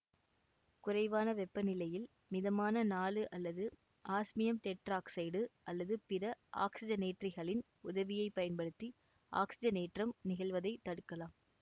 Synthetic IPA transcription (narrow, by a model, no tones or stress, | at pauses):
kʊrɐɪʋaːnɐʋɛpːɐnɪlɐjɪl | mɪðɐmaːnɐnaːlɯʔɐlːɐðɯ | ʔaːsmɪjɐmʈɛʈɾaːksɐɪɽɯʔɐlːɐðɯpɪɾɐʔa̰ːksɪd͡ʒɐneːʈrɪɣɐɭɪn | ʊðɐʋɪjɐɪpːɐjɐnpɐɽɯt̪ːi | a̰ːksɪd͡ʒɐneːʈrɐmnɪɣɐɭʋɐðɐɪt̪ːɐɽɯkːɐlaːm